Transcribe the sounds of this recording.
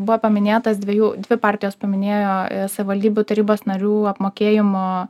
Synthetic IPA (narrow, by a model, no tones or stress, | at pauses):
bʊʋoːpɐmʲɪnʲeːt̪ɐsd̪ʲʋʲeɛjuːd̪ʲʋʲɪpɑːɾʲt̪ʲɪjoːspɐmʲɪnʲeːjoːsɐʋʲɪʋɐlʲd̪ʲiːbʲut̪ɐɾʲiːboːsnɐɾʲuːɐpmoːkʲeːjɪmoː